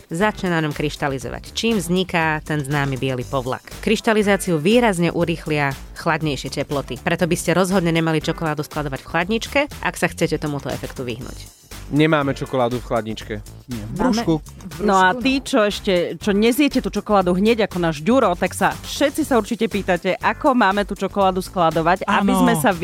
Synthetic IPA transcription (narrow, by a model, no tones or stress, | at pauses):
zat͡ʃɲɛnaɲɔmkɾiʃt̪alizɔ̰ʋa̰ct͡ʃiːmvzɲikat̪ɛnznaːmibɪɛlipɔʋla̰kkɾiʃt̪alizaːt͡siuʋiːɾazɲɛʔuɾiːxlɪa | xlad̪ɲɛjʃɪɛcɛplɔt̪ipɾɛt̪ɔbiscɛɾɔzɦɔd̪ɲɛɲɛmalit͡ʃɔkɔlaːd̪usklad̪ɔʋacfxlad̪ɲit͡ʃkɛʔa̰ksaxt͡sɛcɛt̪ɔmut̪ɔɛ̰fɛkt̪uʋḭɦnṵc | ɲɛmaːmɛt͡ʃɔkɔlaːd̪ufxlad̪ɲit͡ʃkɛ | bɾuku | nɔat̪iːt͡ʃɔɛʃcɛt͡ʃɔɲɛzɪɛcɛt̪uːt͡ʃɔkɔlaːd̪uɦɲɛɟakɔnaːʒɟuɾɔt̪aksafʃɛt̪t͡sisauɾt͡ʃicɛpiːt̪acɛʔakɔmaːmɛt̪uːt͡ʃɔkɔlaːd̪usklad̪ɔʋaɟabizmɛsa